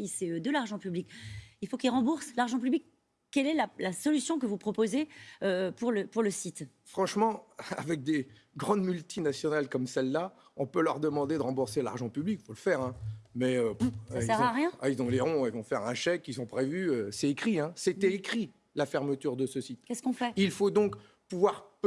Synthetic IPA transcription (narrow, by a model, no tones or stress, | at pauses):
iseød̪əlaʁʒɑ̃pyblikilfokilʁɑ̃buʁslaʁʒɑ̃p̬yblik | kːɛlɛlalasɔlysjɔ̃kəvupχɔpozeøpuʁləpuʁləsit̪ | fχɑ̃ʃmɑ̃a̰vɛk̚d̪e | ɡʁɑ̃d̪mylt̪ʰinasjɔnalkɔmsɛlːa | ɔ̃pølœʁd̪əmɑ̃d̪ed̪əʁɑ̃buʁsela̰ʁʒɑ̃pyblikfoləfɛʁɛ̃mɛøsaiɛʁaʁjɛ̃ailzɔ̃leʁɔ̃ɛilvɔ̃fɛʁɛ̃ʃɛkilzɔ̃pχevyøsɛekχiɛ̃set̪ɛekχi | lafɛʁmət̪yʁd̪əsəsit̪kɛskɔ̃fɛilfod̪ɔ̃k | puvwaʁp